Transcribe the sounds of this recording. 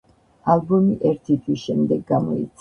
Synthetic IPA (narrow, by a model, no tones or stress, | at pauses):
albɔmiʔɛɾt̪ʰit̪ʰwisʃɛmd̪ɛɡːamɔit̪sʰ